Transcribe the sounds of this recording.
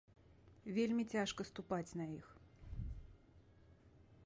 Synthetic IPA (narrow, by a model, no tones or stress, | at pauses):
vʲelʲmʲit͡sʲaʂkɐst̪upat͡sʲnɐix